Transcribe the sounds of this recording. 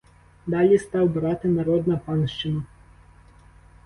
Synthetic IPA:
d̪ɑlʲist̪ɑwbɾɑt̪ɪnɐɾɔd̪nɐpɑnʃt͡ʃɪnɐ

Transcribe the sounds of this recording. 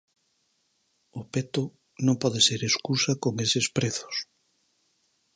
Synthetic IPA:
ʊpet̪ʊ | nõmpɔðeseɾeskusɐkoŋesɪspɾeθʊ̥s

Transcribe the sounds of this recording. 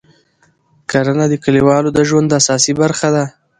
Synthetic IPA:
kaɾanad̪əkəliwɑlod̪əʒwand̪asɑsibaɾxad̪a

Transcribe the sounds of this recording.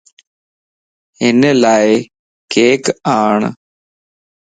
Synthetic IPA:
enːelaːje | keːkɨaːɳɨ̰

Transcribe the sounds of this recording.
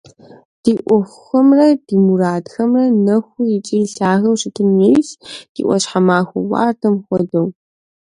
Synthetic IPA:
d̥iːʔʷɔxʷ | ɐmrɐdiːmuɾaːdxɐmrɐnɐxʷʊjɪt͡ʃʼiɬaːɣɐwʂɪtʰɨnjejsd̥ḭːʔʷɔɕħamaːxʷʊ̰wa̰ːrtʰɐmxʷɔdɐw

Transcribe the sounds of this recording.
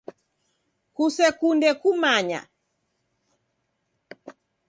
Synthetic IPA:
kusɛkundɛkumaɲa̰

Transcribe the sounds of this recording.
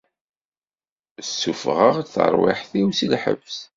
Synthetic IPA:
sːufʁəʁθə̰ɾˤwɪ̰ħθiwsilħə̰vs

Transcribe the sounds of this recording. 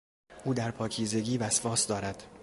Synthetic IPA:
ʔuːd̪æɾpʰɒːcʰiːze̞ɡiːvæsfɒːsd̪ɒːɾæd̪̥

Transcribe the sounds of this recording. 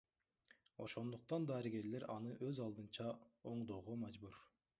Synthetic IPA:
o̞̰ʃo̞nd̪uq̚t̪ɑnd̪ɑːɾiɡe̞ɾle̞ɾɑn̪ɯʔøzɑlˠd̪ɯnt͡ʃɑo̞ɴd̪o̞ʁomɑd͡ʒbuɾ

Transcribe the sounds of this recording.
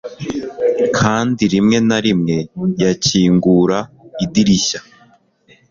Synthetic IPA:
kʰaːndiɾimŋe̞naɾimŋe̞jaciːŋɡuɾaidiɾiɕa

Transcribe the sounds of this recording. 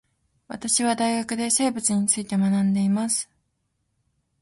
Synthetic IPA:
βa̰t̪aɕiβad̪aiɡakɯ̟d̪e̞se̞ːbɯ̟t͡sɨɲ̟it͡sɨit̪e̞manãnd̪e̞imasɨ̥

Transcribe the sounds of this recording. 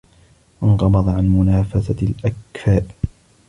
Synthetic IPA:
wɑnqɑbɑd̪ˤɑʕanmʊnaːfasalʔakfaːb

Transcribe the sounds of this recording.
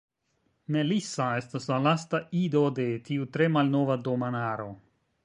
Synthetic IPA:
me̞lisae̞staslalastaido̞de̞tiutɾe̞malno̞vado̞manaɾo̞̰

